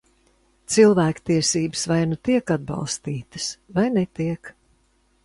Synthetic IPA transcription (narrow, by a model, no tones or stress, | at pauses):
t̪silˠvæːkt̪iɛsiːbɨsvajnut̪iɛkad̪̚bɑ̰lˠst̪iːt̪ɨ̥svajnɛt̪iɛk